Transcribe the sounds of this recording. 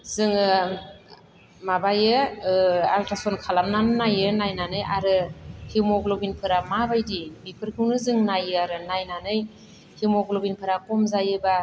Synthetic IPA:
zɯŋɯ | mabajɯ | a̰ltasɔnkʰalamnanɯnajɯnajnanɯjʔaɾɯhimɔɡlɔbinpʰɯɾamabajdibipʰɯɾkʰɯwnɯzɯŋnajɯaɾɯnajnanɯj | himɔɡlɔbinpʰɯɾakɔmzajɯba

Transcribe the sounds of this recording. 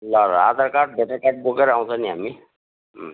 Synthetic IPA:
lʌɾa̰d̪ʌɾkaʈ̚beʈakaʈ̚bokeɾaw̃t͡sʰʌniɦami

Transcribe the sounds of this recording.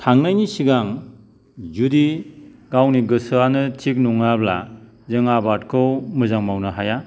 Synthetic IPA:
tʰaŋnajnisiɡaŋ | zudiɡawniɡɯsɯanɯtʰik̚nɔŋabla̰ | zɯŋabatkʰɯwmɯzaŋmawnɯɦaja

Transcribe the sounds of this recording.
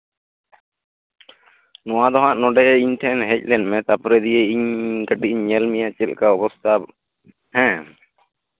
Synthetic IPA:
nɔ̃wad̪ɔɦãʔnɔɖɛiɲʈʰɛnɦɛc̚ˀlɛnmɛ̃t̪apɔɾɛd̪ijeiɲɡəʈiɲɲɛlmijat͡ʃɛlkaɔpɔst̪ʰab | hɛ̃

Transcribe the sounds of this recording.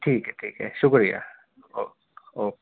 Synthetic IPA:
ʈʰiːkɦɛʈʰiːkɦɛʃʊkɾija̰ | oː | oː

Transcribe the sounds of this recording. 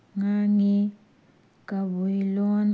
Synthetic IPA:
ŋaŋi | kʼaβujilɔn

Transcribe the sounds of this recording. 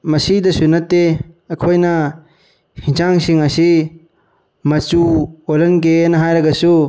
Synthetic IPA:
mɐsidɐsunːɐtːeɐkʰojnɐ | hiŋsaŋsiŋɐsi | mɐt͡ʃuolɐnk̬enɐɦajɾɐɡɐsu

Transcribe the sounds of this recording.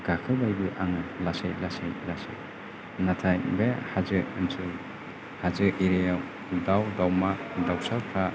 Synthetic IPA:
ɡ̥akʰɯbajbɯʔaŋlasejlasejlasḛj | natʰajbehazɯɯnsɯ | hazɯiɾejaw | dawdawmadawsawkʰa

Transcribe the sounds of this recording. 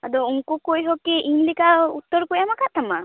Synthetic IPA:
ad̪ɔuŋkukujɦɔkiʔimlikaut̪ːɔɾkujamakaʔt̪ama

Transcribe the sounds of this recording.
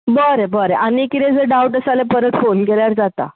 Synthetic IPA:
bəɾebəɾeʔanikit̪ẽd͡zəɖawʈəsalepəɾət̪fonkeljaɾd͡zat̪a̰

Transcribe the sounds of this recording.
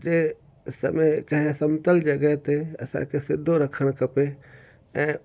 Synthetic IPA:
d͡ʒe | sə̰məkə̃ɦẽsəmt̪əld͡ʒəɡɛɦt̪eɐ̰sã̰kʰesɪd̪ʱːoɾəkʰəɽ̃kəpe | ɛ̃ː

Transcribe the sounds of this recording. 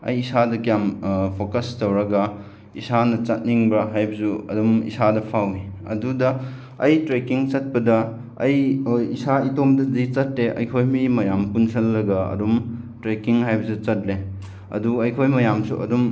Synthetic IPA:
ɐ̰jisadɐkijampʰokɐstowɾɐɡɐ | isanɐt͡ʃɐt̚niŋbɾɐɦajbɐsuɐ̰dumḭsadɐpʰawniɐ̰dudɐ | ɐjtɾekiŋt͡ʃɐt̚pɐdɐ | ɐjisaitomdɐzit͡ʃɐt̚leʔɐ̰jkʰojmimɐjampunsʰɐlːɐɡɐɐ̰dumtɾekiŋɦajbɐsut͡ʃɐt̚le | ɐ̰duɐjkʰojmɐjamsṵʔɐ̰dum

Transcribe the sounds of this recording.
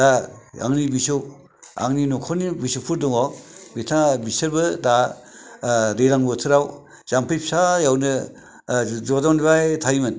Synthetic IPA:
daa̰ŋnibisow | a̰ŋninɔkʰɔnibisowpʰuɾdɔŋawbitʰabisɐɾbɯda | ɾeɾaŋbɔtʰɯɾaw | z̥ampʰɯjpʰsajawnɯ | zɔdawnβajtʰaimɯn

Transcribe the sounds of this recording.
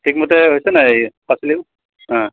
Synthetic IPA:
tʰik̚motɛɦojsɛnaejpasili | ɦã

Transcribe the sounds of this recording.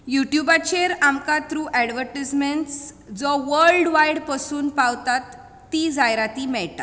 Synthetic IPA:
juʈjubat͡ɕeɾamkat̪ɾuʔɛɽʋəɾʈismeɳʈs | d͡zɔʋəɾɭɖʋajɽpəsuːnpawt̪at̪ː | id͡zajɾat̪imɛɭʈ̪a

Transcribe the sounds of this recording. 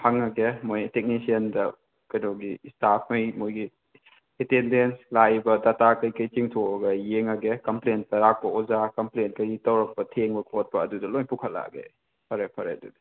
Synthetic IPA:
hɐŋɐɡemojtek̚nisiɐndɐ | kɐjnoɡistapʰmɐjmojɡi | etendenslajbɐdatakɐjkɐjt͡ʃiŋtʰoɐɡɐjeŋɐɡekɐmplen̚tɐɾak̚pɐɔzakɐmplent̚kɐɾitɐwɾɐk̚pɐtʰeŋbɐkʰot̚pɐːdudɐlojnpukʰɐlːa̰ɡḛ | pʰɐɾepʰɐɾḛdudɐ̥

